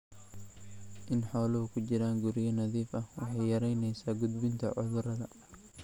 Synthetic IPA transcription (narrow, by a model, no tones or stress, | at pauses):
ʔɪnħɔːlɐɦʊkʰʊt͡ʃɪɾaːŋɡʊɾɪjɐnɐðiːfɐhwɑħɑjjɐɾɛjnɛjsaːɡʊd̪bɪnt̪ʰɐ̰ʕʊ̰ðʊɾɐðɐ